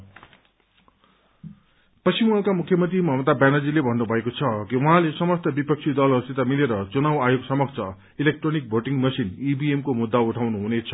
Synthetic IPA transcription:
pʌsimalkamukʰjʌmʌnt̪rimʌmʌt̪abanad͡zilebʱʌnːubʱʌekot͡sʰʌkiuɦãlesʌmʌst̪ʌbipʌk̚t͡sʰid̪ʌlʌst̪it̪amileɾʌt͡sunawajoɡsʌmʌkt͡sʰʌ | ilek̚ʈronik̚bʱoʈiŋmʌsinibiemkomud̪ːauʈʰawnuɦunet͡sʰʌ̥

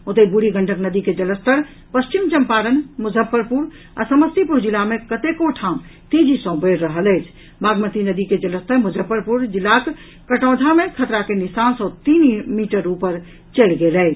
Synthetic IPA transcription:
ot̪əbuɽiɡəɳʈʰəknəd̪iked͡ʒələst̪əɾ | pəst͡ʃimt͡ʃəmpaɾənmud͡ʒʱəpːəɾpuɾ | a̰səməst̪ipuɾd͡ʒilamekət̪ekoʈʰamt̪ed͡ʒʱisə̃bəɾːəɦələt͡ʃʰ | baɡmət̪inəd̪iked͡ʒələst̪ʰəɾmud͡ʒʱəpːəɾpuɾd͡ʒilak | kəʈɔ̃ːd̪ʱamekʰət̪ɾakenisansɔt̪inmiʈəɾupəɾ | t͡ʃəlɡeləɪt͡ʃʰ

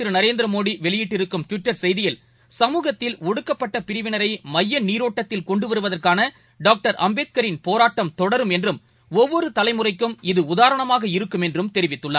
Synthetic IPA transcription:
ɪɾɯnɐɾeːnd̪ɪɾɐmoːɽiʋɛɭɪjɪʈːɪɾɯkːɯmʈ̪ʋɪʈːɐɾsɛjðɪjɪl | sɐmuːɣɐt̪ːɪlɔɽɯkːɐpːɐʈːɐpɪɾɪʋɪnɐɾɐɪmɐjːɐnniːɾoːʈːɐt̪ːɪlkɔɳɖɯʋɐɾɯʋɐðɐrkaːnɐ | ɖaːk̚ʈɐɾʔɐ̰mbeːt̪̚kɐɾɪnpoːɾaːʈːɐmt̪ɔɽɐɾɯmɛndrɯm | ɔʋːɔɾɯt̪ɐlɐɪmɯrɐɪkːɯmɪðɯʊðaːɾɐɳɐmaːɣɐɪɾɯkːɯmɛndrɯmt̪ɛɾɪʋɪt̪ːɯɭːa̰ː

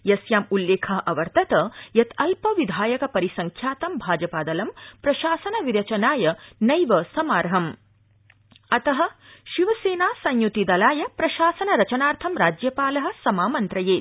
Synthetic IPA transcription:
jɐsjaːmulːeːkʰɐɦɐʔɐʋɐɾt̪ʰɐt̪ɐjɐt̪ʰɐlpɐʋid̪ʱaːjɐkɐpɐɾisɐŋkʰjaːt̪ɐmbʱaːd͡ʒɐpaːd̪ɐlɐmpɾɐʃaːsɐnɐʋiɾɐt͡ʃɐnaːjɐnɐjʋɐsɐmaːɾɐɦɐm | ɐt̪ɐɦɐ̆ʃiʋɐseːnaːsɐɲjut̪id̪ɐlaːjɐpɾɐʃaːsɐnɐɾɐt͡ʃɐnaːɾt̪ʰɐmɾaːd͡ʒjɐpaːlɐɦɐ̆sɐmaːmɐnt̪ɾɐjeːt̪̚

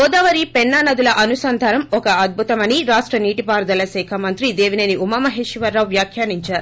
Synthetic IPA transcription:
ɔːd̪aːʋɐɾipɛnːanɐd̪ulɐʔɐnusɐnd̪ʱaːɾɐmɔkɐɐd̪̚bʱut̪ɐmɐniɾaːʂʈɾɐniːʈipaːɾd̪ɐlɐsɛːkʰɐmɐnt̪ɾid̪eːʋinɐniumɐmɐɦeːʃiʋɐɾːɐwʋjaːkʰjaːniɲt͡ʃaːɾu

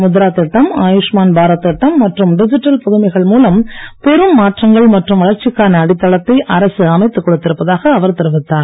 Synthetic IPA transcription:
mʊðɾaːt̪ːɪʈːɐmaːjuʂmaːnbʱaːɾɐt̪ːɪʈːɐmːɐʈrɯmɖɪd͡ʒɪʈːɐlpɔðɯmɐɪɣɐɭmuːlɐmpɛɾɯmːaːʈrɐŋɡɐɭmɐʈrɯmʋɐɭɐɾt͡ʃːɪkːaːnɐːɽɪt̪ːɐɭɐt̪ːɐɪʔɐɾɐsɯɐmɐɪt̪ːɯkːɔɽɯt̪ːɪɾɯpːɐðaːɣɐːʋɐɾt̪ɪɾɯʋɪt̪ːaːɾ

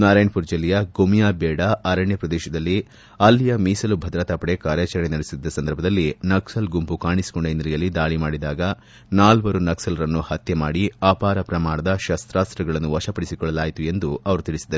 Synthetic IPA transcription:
naːɾaːjɳpuːɾd͡ʒɐlːijɐɡomijaːbɛːɽɐɐɾɐɳjɐpɾɐd̪ɛːʃɐd̪ɐlːi | ɐlːijɐmiːsɐlubʱɐd̪ɾɐt̪ɐpɐɽe̞kaːɾjaːt͡ʃɐɾɐɳenɐɽisid̪ːɐsɐnd̪ɐɾbʱɐd̪ɐlːinɐksɐlɡumpukaːɳisi̥kɔɳɖɐind̪ɾijɐlːid̪aːɭimaːɽid̪aːɡɐ | naːlʋɐɾunɐksɐlɐɾɐnːuhɐt̪jɐmaːɽiaːpaːɾɐpɾɐmaːɳ̃ɐd̪ɐʃɐst̪ɾaːst̪ɾɐɡɐɭɐnːuʋɐʃɐpɐɽisikɔɭːɐlaːjt̪ue̞nd̪uɐʋɐɾut̪iɭisid̪ɐ

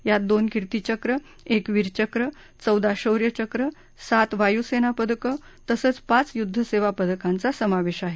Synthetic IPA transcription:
jad̪onkiɾt̪it͡ɕəkɾə | ekʋiɾt͡ɕəkɾə | t͡səwd̪aɕəwɾjət͡ɕəkɾə | sat̪ʋajusenapəd̪kə | t̪əsəːt͡spãt͡sjud̪ʱːəseʋapəd̪əkant͡sasəmaʋeɕaɦe

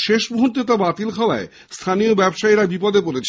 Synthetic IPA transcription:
ʃeʃbuɦunt̪et̪̬abat̪ilkʰaoa̰e | st̪ʰanijobɛbʃaeɾabipɔd̪ep̬oɾet͡ɕʰ

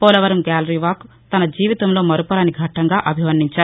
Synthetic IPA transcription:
pɔːlɐʋɐɾɐmɡaːlɐɾiːʋaːk | t̪ɐnɐd͡ʒiːʋit̪ɐmloːmɐɾupɐɾɐniɡʱɐʈːɐŋɡaːʔɐbʱimɐnd̪iɲt͡ʃaːɾu

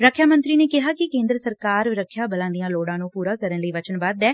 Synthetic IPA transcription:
ɾəkʰːjaːmə̃nt̪ɾiːneːkɪɦaːkɪkẽːnd̪ɾəsəɾkaːɾɾəkʰːjaːbəlãːnd̪ijãːloːɽãːnũːpuːɾaːkəɾənləiːʋət͡ʃənbaːd̪ɛː

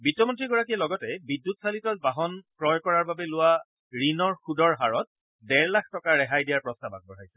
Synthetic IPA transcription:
bitːɔmɔntɹiɡɔɹakiɛlɔɡɔtɛbidːutsalitɔt̚baɦɔnkɹɔjkɔɹaɹbabɛlʊwa | ɹinɔɹxudɔɹɦaɹɔt̚ | dɛɹlakʰtɔkaɹɛɦajdijaɹpɹɔstaba̰k̚bɔɹajsɛ̥

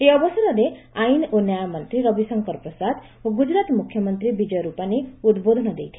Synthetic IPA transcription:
eɔbɔsɔɾɔɾe | ajnonjajamɔnt̪ɾiɾɔbisɔŋkɔɾɔpɾɔsad̪ | oɡud͡ʒɾat̪mukʰjɔmɔnt̪ɾibid͡ʒɔjɔɾupaniud̪bod̪ʱɔnɔd̪ejt̪ʰi̥

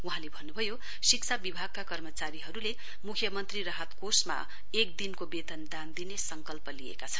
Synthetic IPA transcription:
uɦãlebʱʌnːubʱʌjo | sikt͡sʰabibʱaɡ̚kakʌrmʌt͡saɾiɦʌɾule | mukʰjʌmʌnt̪riɾʌɦat̪kosma̰ | ek̚d̪inkobet̪ʌnd̪and̪inesʌŋkʌlpʌliḛkat͡sʰʌn

